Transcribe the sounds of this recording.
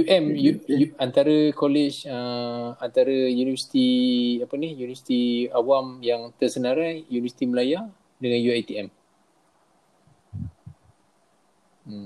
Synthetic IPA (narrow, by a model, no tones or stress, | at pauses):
juʔɛmjujuant̪aɾəkolet͡ʃəant̪aɾəjunivəsi̥t̪iapənihjunivəsi̥t̪iawamjaŋt̪ərsənaɾajjunivəsi̥t̪iməlaja | dəŋanjuajt̪iɛm